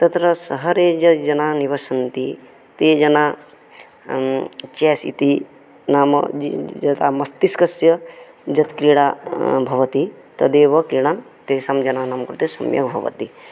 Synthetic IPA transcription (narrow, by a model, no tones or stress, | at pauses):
t̪ɐt̪ɾɐsɐɦɐɾeːd͡ʒɐd͡ʒɐnaːniʋɐʃɐnt̪i | t̪eːd͡ʒɐnaː | t͡ʃɛːsḭt̪i | naːmɐ̰d͡ʒɐt̪a̰mɐst̪iskɐsjɐ | d͡ʒɐt̪kɾiɽaːbʱɐʋɐt̪i | t̪ɐd̪eːʋɐkɾiɽ̃an | t̪eːsamd͡ʒɐnaːnaːmkuɾt̪esɐ̰mjɐ̰kbʱɐ̰ʋɐ̰t̪i